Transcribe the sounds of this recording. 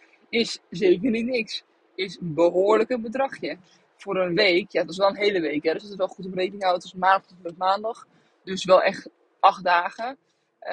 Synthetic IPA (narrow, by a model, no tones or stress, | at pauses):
ɪszeːk̬ərnitnɪks | ɪsənbəɦoːɹləkənbədrɑχjə | fʊːɾənʋejkjatɪs̬ʋɛlˠənɦejləʋejkɦɛdɔsətsʋɛlˠχutəprejkənɪ̃ŋawtɪsmaːndɔχɔfləfmaːndɑχ | døsʋɛlˠʔɛχt | ʔɑχ̚daːχə